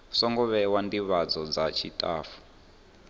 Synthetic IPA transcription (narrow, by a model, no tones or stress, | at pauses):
sɔŋɡɔβɛwandiβad͡zɔd͡zat͡ʃʰitʼaːfu̥